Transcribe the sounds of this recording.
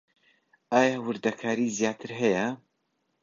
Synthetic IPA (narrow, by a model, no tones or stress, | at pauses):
aːjaːwʊɾd̪ɐkʰaːɾizijaːt̪ʰɨɾɦɐjɐ